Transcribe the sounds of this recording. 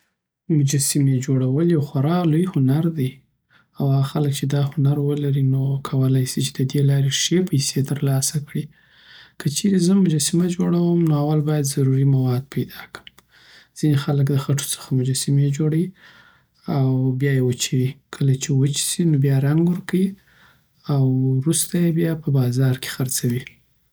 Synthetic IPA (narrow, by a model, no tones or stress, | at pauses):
mʊd͡ʒasimed͡ʒoɽawəljawxaɾɑlojhʊnaɾd̪əj | awaɣaxaləkt͡ʃed̪ɑhʊnaɾwəlaɾinokʰawəlajsit͡ʃe̥d̪əd̪elɑɾeʂepəjset̪əɾlɑsakɽi | kət͡ʃeɾezəmʊd͡ʒasimad͡ʒoɽawəmnoawalbɑjad̪zaɾuɾimawɑd̪̚pʰajd̪ɑkə̥m | z̥inexaləkd̪əxaʈo̥t͡sə̥xamʊd͡ʒasamed͡ʒoɽawi | awbjɑjewət͡ʃiwikʰəlat͡ʃewət͡ʃi̥sinobjɑɾaŋɡwəɾkawi | awɾust̪ajebjɑpəbɑzɑɾke̥xaɾt͡sawi